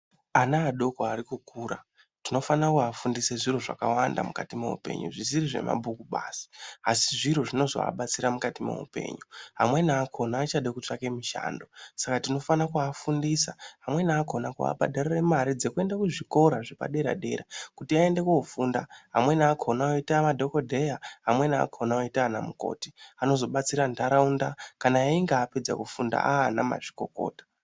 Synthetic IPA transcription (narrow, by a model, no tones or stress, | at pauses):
anaːɗo̞koaɾikukuːɾa | tino̞fanakuafundiseʐiroʐa̰kawanda̰mukatimḛṵpe̞̰ɲṵʐiziɾiʐe̞̰ma̰bʱukuɓa̰si̥asiʐiɾoʐino̞zo̰a̰ɓat͡siɾamukatimo̞̰ṵpe̞̰ːɲuɦa̰mwe̞naːkʰo̞naːt͡ʃaɗekut͡ʂake̞miʃa̰ːndo̞sakatino̞fanakuafundisaɦamwe̞naːkʰo̞nakua̰ɓʱa̰ɗareremaɾid͡ze̞kue̞ndakuʐiko̞ɾaʐepa̰ɗe̞ɾa̰ɗeɾakutiae̞nde̞kuufundaɦa̰mwe̞naːkʰonaoitamadʱo̞ko̞dʱe̞jaɦamwe̞na̰ːkʰonaoitaːnamuko̞̰ti̥ano̞zo̞ɓat͡siɾandaɾaundakanajaiŋɡaːped͡za̰kufunda̰ana̰ma̰ʐi̥ko̞ko̞̰ːtḁ